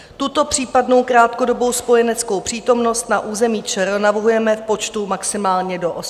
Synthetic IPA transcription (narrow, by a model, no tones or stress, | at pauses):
t̪ut̪o̞pr̝̥iːpadno̞wkɾaːt̪kodo̞bo̞wspo̞jɛnɛt͡sko̞wpr̝̥iːt̪o̞mno̞st̪naʔuːzɛmiːt͡ʃɛɾonavr̩ɦujɛmɛfpo̞t͡ʃt̪umaksɪmaːlɲɛdoʔos